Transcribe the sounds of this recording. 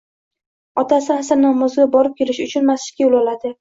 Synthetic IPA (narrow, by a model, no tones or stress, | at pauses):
ɒt̪asɪasɪnɒmʊzɡʲabɒɾɪp̚kʲʰe̞lɪʃʊt͡ʃʰʊnmaslɪ̥kʲajʊlˠɒlad̪ɪ